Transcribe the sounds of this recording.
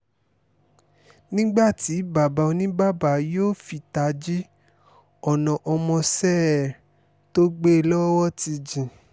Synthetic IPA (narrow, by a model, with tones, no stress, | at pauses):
nĩ˦ɡ͡ba˦˨ti˨˦ba˨ba˨˧o˧nĩ˦ba˦˨ba˨˦joː˦˨fi˧ta˧d͡ʒi˦ | ɔ˦˨nɔ̃˨ʔɔ˧mɔ̃˧sɛ˦˨ | to˦ɡ͡be˦˧lɔ˦wɔ˦ti˧d͡ʒĩ˨